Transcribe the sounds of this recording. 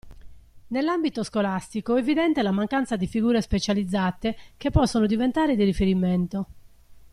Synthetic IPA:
nelːambit̪oskolast̪ikoevid̪ɛnt̪elamaŋkant̪sad̪ifiɡuːɾespet͡ʃalid̪zːaːt̪ekepːɔsːonod̪ivent̪aːɾed̪irifeɾiment̪o

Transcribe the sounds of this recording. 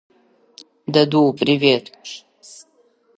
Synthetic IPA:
d̪ɐd̪upʼɾiveːt̪

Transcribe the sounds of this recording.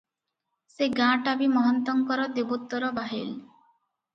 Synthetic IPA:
seɡãʈabimɔɦɔnt̪ɔŋkɔɾɔd̪ibɔt̪ːɔɾɔbaɦel

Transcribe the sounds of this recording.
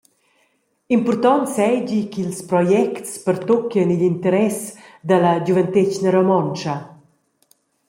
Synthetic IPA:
impɔrt̪ɔnsɛd͡ʑikilspɾɔjɛktspəɾt̪ɔkjənilint̪əɾɛsd̪alɐd͡ʑuvənt̪et͡ʃnəɾomɔnt͡ʃɐ

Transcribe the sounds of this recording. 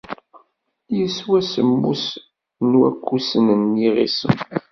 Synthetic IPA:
jəswæsəmːṵs | nwæ̰kʰːusənəniʁḭsə̰m

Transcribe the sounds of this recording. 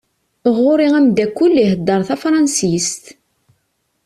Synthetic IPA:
ʁʊɾiʁæmd̪ækːulːiɦəd̪ːɑɾˤθæfɾˤɑnsist̪

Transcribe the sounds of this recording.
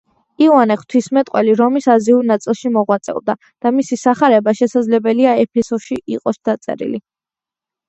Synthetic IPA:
iuwanɛχt̪ʰwismɛt̪ʼqʼwɛliɾɔmisaziuɾnat̪sʼilˠʃimɔʁwat̪sʼɛ̰ɔd̪a | d̪̥amisisaχaɾɛbaʃɛsad̪zlɛbɛliaɛpʰɛsɔʃiʔiqʼɔsd̪̥at̪sʼɛ̰ɾḭli

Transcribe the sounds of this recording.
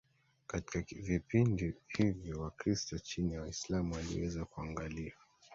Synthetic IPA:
kati̥kavipindihivjɔwakɾistɔt͡ʃiniwaislamuwalḭwɛzakuaŋɡalia

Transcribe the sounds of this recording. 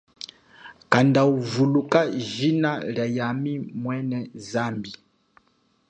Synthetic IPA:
kandauvulukaʒinaljajamimwɛnɛzambi

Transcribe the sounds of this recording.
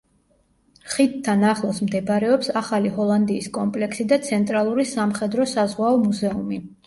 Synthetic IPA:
χid̪t̪ʰːanaχlˠɔsmd̪ɛbɾɛɔpsaχaliɦɔlˠand̪iːskʼɔmpʼlɛksid̪at̪sʰɛnt̪ʼɾalˠuɾisamχɛd̪ɾɔsazʁwaɔmuzɛumi

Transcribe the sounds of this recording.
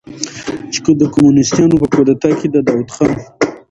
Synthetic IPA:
t͡ʃe̥kəd̪əkomunɪst̪jɑnopəkod̪at̪ɑked̪ad̪ɑwut̪xɑn

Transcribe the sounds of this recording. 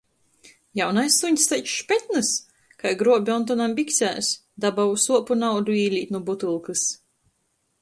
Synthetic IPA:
jawnajsːuɲst̪ɛjt͡ʃʃpʲɛt̪̚nɨs | kajɡɾuɔbʲiɔnt̪̬ɔnambʲikt̪sʲæ̰ːs | d̪abausuɔpunawd̪uiːlʲiːt̪nubut̪ɨlˠkɨs

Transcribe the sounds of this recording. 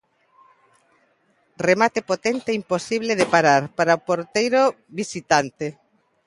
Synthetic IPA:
remat̪epot̪ent̪eɛimposiβleðepaɾaɾpaɾaopoɾt̪ejɾo | βisit̪ant̪e

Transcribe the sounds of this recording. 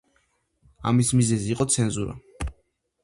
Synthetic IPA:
a̰mismizɛziːqʼɔt̪sʰɛnzuɾa̰

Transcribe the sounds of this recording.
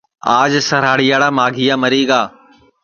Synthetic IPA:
aːd͡ʒsɐɾaːɽijaːɽamaːɡʱijaːmɐɾiːɡaː

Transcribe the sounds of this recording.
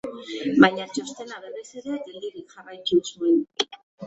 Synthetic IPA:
bajɲat͡ʃost̪e̞naβe̞re̞seɾeaɟeld̪iɾikxaβajt̪usuen

